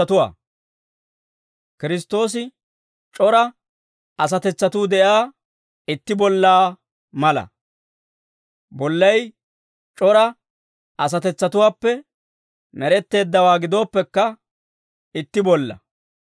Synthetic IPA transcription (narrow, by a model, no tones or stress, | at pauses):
ɐt̪ʊwa̰ː | kɪɾɪst̪ːo̞ːs̬ɪ | t͡ʃʼɔɾɐ | ɐs̬ɐt̪ɛt͡sːɐt̪uːd̪ɛʔaː | ɪt̪ːɪbɔlːaː | mɐlɐ̰ | bɔlːɐj | t͡ʃʼɔɾɐ | ɐs̬ɐt̪ɛt͡sːɐt̪ʊwaːpːɛ | mɛɾɛt̪ːe̞ːd̪ːɐwaːɡɪd̪o̞ːpːɛkːɐ | ɪt̪ːɪbɔlːɐ̰